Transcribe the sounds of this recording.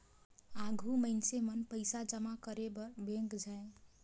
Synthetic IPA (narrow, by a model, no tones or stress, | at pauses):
aɡʱuməɪnsemənpəɪsad͡ʒəmakəɾebəɾbeŋkd͡ʒae